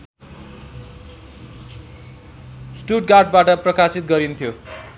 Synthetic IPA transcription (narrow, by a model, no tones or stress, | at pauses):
sʈuʈ̚ɡaʈ̚baʈʌprʌkasit̪̚ɡʌɾint̪ʰjo